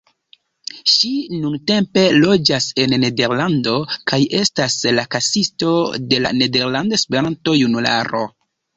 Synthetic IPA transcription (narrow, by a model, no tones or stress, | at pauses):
ʃinunte̞mpe̞lo̞d͡ʒase̞nːe̞de̞ɾlando̞kaje̞staslakasisto̞de̞la̰ne̞de̞ɾlandoespe̞ɾanto̞junula̰ɾo̞̰